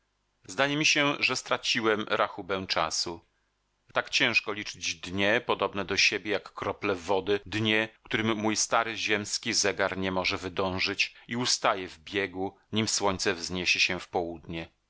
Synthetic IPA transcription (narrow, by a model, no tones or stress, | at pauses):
zzd̪ajɛmʲiɕɛʐɛst̪ɾat͡ɕiwɛmɾʔaxubɛ̃w̃t͡ʂa̰su | t̪akt͡ɕɛ̃w̃ʂkɔlʲit͡ʂɘd͡ʑd̪ɲɛpɔd̪ɔbnɛd̪ɔɕebʲjɛjakːɾɔplɛvɔd̪ɘd̪ɲɛkt̪uɾɘmːujst̪aɾɘʑɛmskʲizɛɡaɾɲɛmɔʐɛvɘd̪ɔ̃w̃ʐɘt͡ɕiust̪ajɛvbʲjɛɡu | ɲimswɔɲt̪sɛvzɲeɕɛɕɛfpɔwud̪ɲɛ